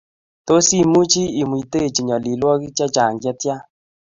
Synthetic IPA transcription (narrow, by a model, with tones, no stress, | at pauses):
to˦si˦mu˦t͡ʃi˦i˨mwi˨te˦˨t͡ʃi˨ɲɔ˨li˨lwɔ˦ki˦t͡ʃa˦t͡ʃa˨ŋɡjɛ˦tja˦